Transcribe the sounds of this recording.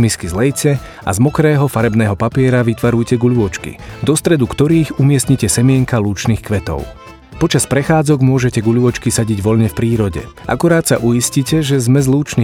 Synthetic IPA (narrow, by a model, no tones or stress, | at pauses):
miskizlɛjcɛ | a̰zmɔkɾɛːɦɔfaɾɛbnɛːɦɔpapɪɛɾaʋit̪ʋaɾujcɛɡuʎuʋɔt͡ʃkḭd̪ɔst̪ɾɛd̪ukt̪ɔɾiːɣumɪɛsɲicɛsɛmɪɛŋkaluːt͡ʃnixkʋɛt̪ɔ̰ʊ | pɔt͡ʃaspɾɛxaːd͡zɔɡmʊɔʒɛcɛɡuʎuʋɔt͡ʃkisaɟiɟʋɔʎɲɛfpɾiːɾɔɟɛ̰ʔa̰kuɾaːt̪sa̰ʔujiscicɛʒɛzmɛzluːt͡ʃni